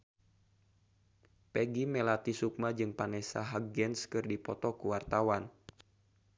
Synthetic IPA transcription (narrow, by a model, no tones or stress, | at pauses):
pɛɡimɛlat̪isuk̚mad͡ʒɨŋpanɛsa̰ɦaɡɛnskɨrdipɔt̪ɔkuwart̪awan